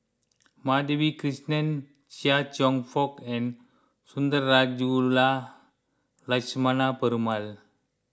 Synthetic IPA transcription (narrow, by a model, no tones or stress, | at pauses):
mad̪ebikɾisnen | t͡ʃiat͡ʃɔŋfʰɔkɛ̃n | sund̪əɾːad͡ʒula | ləsmanapəɾumal